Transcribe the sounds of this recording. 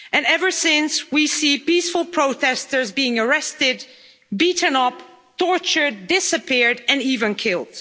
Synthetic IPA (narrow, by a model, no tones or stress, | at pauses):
ɨ̃nɛvə˞sɪ̃nswisipisfəlˠpʰɹ̥oʊtʰɛstə˞zbiɪ̃ŋə˞ɛstɪd̚ | biʔn̩ʌp | tʰɔɹt͡ʃə˞dːɪsɨpʰɪɹdɨ̃nivɨ̃nkʰɪlˠd̥